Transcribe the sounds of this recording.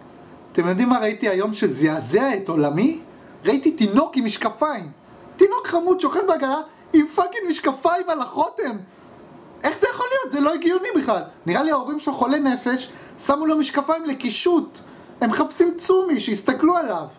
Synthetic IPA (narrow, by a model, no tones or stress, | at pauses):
at̪e̞mjo̞d̪imːaʁaitiajo̞mʃezeazeaet̪o̞lami | ʁaitit̪ino̞kimiʃkafaim | t̪ino̞kχamud̪ʃoχeχbeaɡala | imfakinmiʃkafajmalaχo̞te̞m | ʔe̞χz̥ejaχo̞lijo̞t̪zeloeɡijonibiχlalniʁaliaoʁimʃelχo̞le̞ne̞fe̞ʃ | samulomiʃkafaimlekiʃut̪ | emeχapsimt͡sumiʃeist̪aklualav